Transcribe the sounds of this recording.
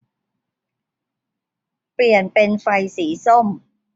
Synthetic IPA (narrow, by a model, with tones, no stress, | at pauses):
pli˨˩ənpe˧nfa˧jsiː˩˦so˥˩m